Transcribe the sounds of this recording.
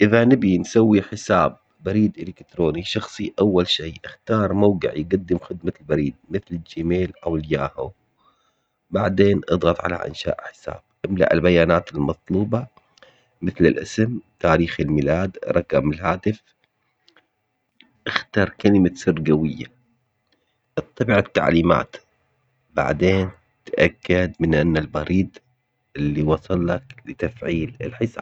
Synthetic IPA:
ʔɪðanɪbinsawːiħɪsaːb̚ːaɾiːd̪ʔɪlɪkt̪ɾoːniʃɑxsˤiʔawːalʃiːʔɪxt̪ɑːɾˤmawɡɪ̰ʕjɪɡad̪ːɪmxɪd̪malbaɾiːd̪̚mɪθlɪd͡ʒimeːlʔawɪljaːhu | baʕd̪eːnʔɨd̪ˤɣɑt̪ˤʕa̰la̰ʔɪ̰nʃa̰ːʔħɪ̥sa̰ːb̥̚ʔɪmla̰ʔɪ̰lbajaːnaːt̪ɪlmɑt̪ˤluːbɑ | mɪθlɪlʔɪsɪmt̪aːɾiːxɪlmilaːd̪ɾˤɑkamɪlɦaːt̪ɪf | ʔɪxt̪ɑːɾˤkalɪmasʊrɡawɪjːa̰ | ʔɨt̪ˤːɑbʕat̪ːa̰ʕliːma̰ːt̪ | ba̰ʕd̪eːn | t̪ʔakːad̪mɪnʔanːalbɑɾiːd̪ | ɪlːiwɑsˤɑlːɑklɪt̪afʕiːlɪ̰lħɪsa̰ːb

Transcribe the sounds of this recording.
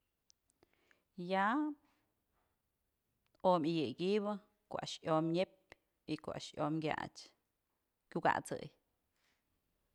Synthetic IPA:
ja | omijɨɡiβɨ | koʔa̰ʃjomɲep | iko̰ʔa̰ʃjomɡʲja̰t͡ʃ | kʲuɡa̰ʔt͡sɨ̰j

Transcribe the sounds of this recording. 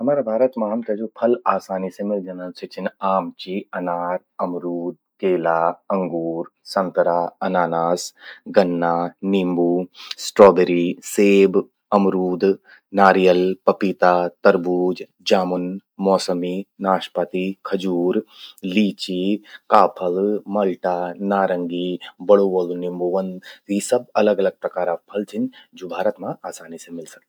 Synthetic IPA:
ɐmaːɾabʱaːɾɐt̪maːmkɐd͡ʒoːpʰɐlaːsaːnisemɪld͡ʒɐnanset͡ʃʰɪnaːmt͡ʃiɐnaːɾ | ɐmɾuːd̪̚ | keːlaːɐŋɡuːɾsɐ̃nt̪ɾaɐnaːnaːsɡɐnːaːniːmbuːsʈɾoːbeɾiseːb | ɐmɾuːd̪ | naːɾijəlpɐpit̪aːt̪ɐɾbuːd͡ʒ | d͡ʒaːmʊnmɔːsəminaːʃpɐt̪ikʰɐd͡ʒuːɾliːt͡ʃikaːpʰɐlmɐlʈaːnaːɾɐ̃ŋɡiːbɐɽuʋɐlnimbuʋɐnisɐbɐlɐɡɐlɐɡ̚pɾɐkaːɾapʰɐlt̪ʰind͡ʒoːbʱaːɾət̪mãaːsaːnisemɪlsɐk̪̚i

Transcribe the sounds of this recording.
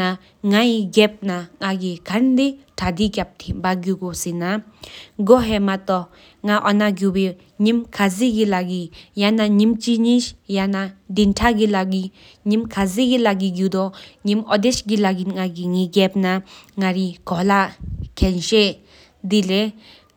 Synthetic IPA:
a | ŋaiɡɛp̚naŋaɡikʰand̪eʈʰad̪ikʲap̚t̪ʰibaɡjuɡosinaɡɔɦɛmat̪ɔ | ŋaʔɔnaɡjuwe | ɲimkʰaziɡilaɡijanaɲimt͡ʃiɲiʃjanad̪intʰaɡilaɡi | ɲimkʰaziɡilaɡiɡjud̪ɔɲimɔd̪eʃɡilaɡiŋaɡiŋiɡɛp̚naŋaɾikɔlakʰɛnʃe | d̪ile

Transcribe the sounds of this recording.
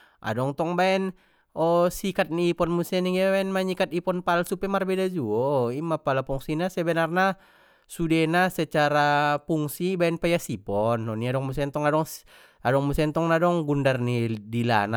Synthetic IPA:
ʔa̰dɔŋt̪ɔŋbaɛn | ɔsikat̪̚niːpɔnmusɛniŋabaɛnmaɲikat̪̚ipɔnpalsupɛmarbɛdad͡ʒuɔimapalapuŋsinasɛbɛnarna | sudɛnasɛt͡ʃaɾapuŋsibaɛnpajasipɔnːɔniadɔŋmus̬ɛnt̪ɔŋadɔŋs | adɔŋmusɛnt̪ɔŋnadɔŋɡundarnidila̰na

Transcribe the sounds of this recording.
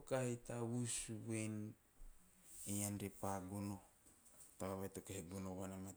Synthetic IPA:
kahitawusuβen | ejanɾepaɡono | taβaβajtokehiɡonoβanama

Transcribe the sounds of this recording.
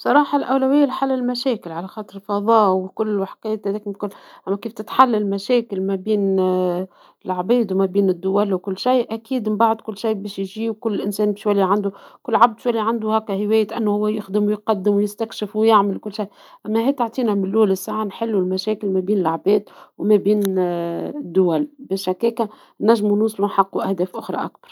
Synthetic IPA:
bsˤɑɾˤɑːħɑlʔæwlæwɪjːælħalːælmæʃɛːkɪlʕalæxɑːt̪ˤəɾɪlfɑðˤɑːwɪkʊlːlwaħqɛːt̪hæd̪ɛːkmɪkʊlʔæmːækiːft̪ɪt̪ħalːælmæʃɛːkɪlmæbiːn | ɪlʕabɛːd̪wmæbiːnɪd̪ːʊwælwkʊlːʃajʔækiːd̪mnbaʕd̪kʊlːʃajbɛːʃjʒiːwkʊlːʔɪnsɛːnbiːʃjwælːiʕand̪ukʊlːʕab̚d̪ʃwælːiʕand̪uhæːkːæhɪwɛːjɪt̪ʔænːuhʊwːæjɪxd̪ɪmwʊjqɑd̪ːɪmwjɪst̪ækʃɪfwjaʕmɪlkʊlːʃaj | ʔæmːæhɛːt̪aʕt̪ˤiːnæmɪnʔuːlɪsːaːʕanħɪlːulmæʃɛːkɪlmæbiːnɪlʕabɛːd̪wmæbiːn | ɪd̪ːʊwælbɪʃækːɛːkæ | næʒːmunuːsˤlunħɑqːuʔæhd̪ɛːfʔʊxɾˤɑ̰ʔak̚bɑ̥ɾˤ

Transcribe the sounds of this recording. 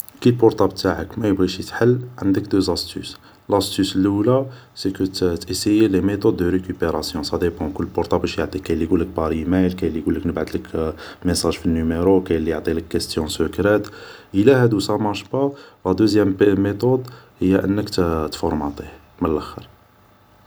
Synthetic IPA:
kilpɔɾt̪ɑb̚t̪ʰaʕəkmæjbɣiʃit̪ħəlːʕənd̪əkd̪øzæst̪y̰s | læst̪ysəlʔulasekət̪ʔisejelemet̪ɔd̪ːəɾekypeɾɑsjɔ̃sɑd̪ebɑ̃kəlːpɔɾt̪ˤɑbæʃjʕt̪ˤikæjlːiɡulːək̚bɑɾimæjlkæjlːiɡulːəknəbʕəd̪lək | mesˤɑʒfinːymeɾokæjəlːijʕt̪ˤiləkːəst̪jɔ̃səkɾæt̪ʔəlæhæd̪usɑmɑɾʃbɑʁæd̪øzjæmːet̪od̪həjːæʔənːəkt̪t̪fɔɾˤmɑt̪ˤih | mənəlʔæxə̰ɾ

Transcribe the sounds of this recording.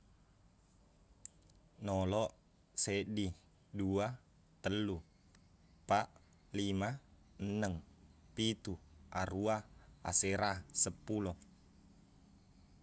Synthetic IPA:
nɔlɔʔ | sedi | dua | t̪əlːu | paʔ | lima | ənːəŋpit̪uaɾuaa̰seɾasəpulɔ

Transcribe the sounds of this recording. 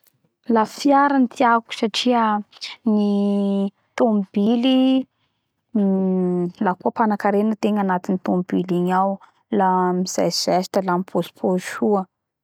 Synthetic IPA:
lafiaɾanit̪ʰiaku̥saʈ͡ʂiəni | t̪omb̥ili | lakuəpanakaɾenət̪eŋanat̪init̪ombiliɲaw | lamiz̥a̰jz̥ɛsi̥təlamipʰoz̥pʰoʃuə

